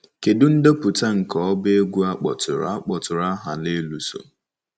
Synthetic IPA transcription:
ke˨dʊ˦n̩˦do˦pʊ˨ta˦ŋ̩˨kɔ˨ɔ˦be˦ɡʷu˦a˦k͡pɔ̰˨tʊ˨ɾa̰˨˦a˦k͡pɔ˨tʊ˨ɾa˦ɦa˨le˦lu˨so̰˨

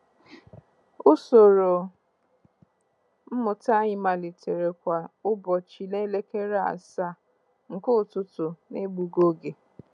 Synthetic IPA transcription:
ʊ˦so˨ɾo˨ | m̩˦mʊ˨ta˦ɲɪ˨ma˨lɪ˨tʰe˨ɾe˨kʷa˨ʊ˦bɔ˨t͡ʃi˨ne˦le˦ke˦ɾa̰˨sa˦˨ | ŋ̩˨kʊ˦˨tʊ˦tʊ˨ne˦ɡ͡bu˨ɡo˦ɡe˨

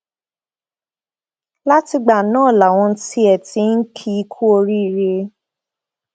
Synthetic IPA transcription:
la˦ti˧ɡ͡ba˨nãː˦˨la˨w̃ɔ̃˧˦˧ti˦ɛ˨ti˧˦n̩˦kʰi˦˧kʰu˦o˧ɾi˦i˨ɾe˧

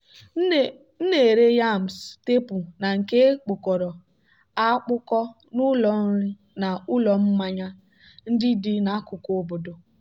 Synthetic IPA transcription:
n̩˦ne˨ɾe˦ja˦˨m̩˨ste˦pu˨na˨ŋ̩˨ke˦k͡pʊ˨kɔ˨ɾɔ˨ | a˦k͡pʊ˦kɔ˦ | nʊ˦lɔ˨˦ɪ˦ | na˨ʊ˦lɔ˨m̩˦ma˦ɲa˦ | n̩˦dɪ˦dɪ˦na˨˦kʊ˨ko˦bo˨do˨

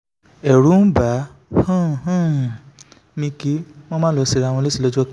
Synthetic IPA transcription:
ɛ˨ɾũ˨˦ba˨˦ | hũ˦˨hũ˦˨ | mĩ˧ki˦m̃ɔ̃˦mã˦lɔ˨˧˦si˧ɾa˧˨w̃ɔ̃˧le˦si˦˧lɔ˦d͡ʒɔ˦

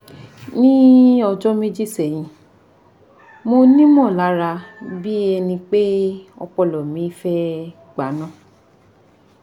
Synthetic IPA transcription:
nĩ˦ɔ˧d͡ʒɔ˦me˦d͡ʒi˦˨sɛ˦˨j̃ĩ˧ | mo˧nĩ˦mɔ̃˦˨la˨˦ɾa˧bi˦ɛ˧nĩ˧k͡pe˦ɔ̰˧k͡pɔ˧˨lɔ˨mĩ˨˦fɛ˦ | ɡ͡ba˨˦nã˦˨

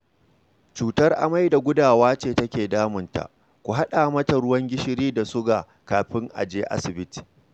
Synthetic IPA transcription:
t͡ʃuː˨tɐ˦rʔa̰˨ma˦jda˨ɡʷʊ˦daː˨waː˦t͡ʃeː˨tɐ˦kʲeː˨daː˦mʊ˨nta̰˨ʔ | kʷu˨ɦa˦ɗa˨mɐ˦ta˨ɽʊ˦wɐ˦ŋɡʲɪ˦ʃɪ˦ɾiː˦da˨sʊ˦ɡaː˨ | kaː˨ɸɪ˦ŋʔa̰˨d͡ʒeː˦ʔa̰˦sɪ˨bɪ˦ti̥ː˨

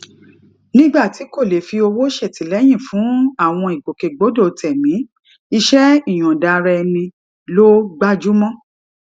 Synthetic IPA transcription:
nĩ˦ɡ͡ba˦˨ti˨˦ko˦˨le˨fi˧o˧wo˦ʃɛ˦˨ti˨˦lɛ˨˦j̃ĩ˦˨fũ˨˦a˦˨w̃ɔ̃˧i˨ɡ͡bo˨ke˨ɡ͡bo˨˦do˦˨˧tʰɛ˨mĩ˨˦ | i˧ʃɛ˦i˦˨j̃ɔ̃˨da˧ɾɛ˧nĩ˧ | lo˦ɡ͡ba˦d͡ʒu˦mɔ̃˦

